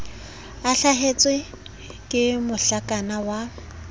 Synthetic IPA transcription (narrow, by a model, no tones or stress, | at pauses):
aɬaɦet͡sʼwe | kʼɪmʊɬakʼanawa